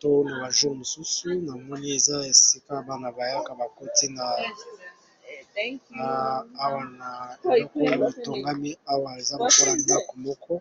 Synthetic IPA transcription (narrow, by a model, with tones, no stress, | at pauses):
to˦na˨ba˨ʒu˦ʁmo˨su˦su˦na˨mɔ˦ni˦e˨za˦e˨si˦ka˦ba˨na˨ba˨ja˦ka˨ba˨ko˦ti˦na˨˦ | wa˦na˨o˦ko˦la˨bi˨to˨ŋɡa˦mi˦a˦wa˨e˨za˦mo˨ko˦la˨ma˦ko˨mɔ˦kʰɔ˦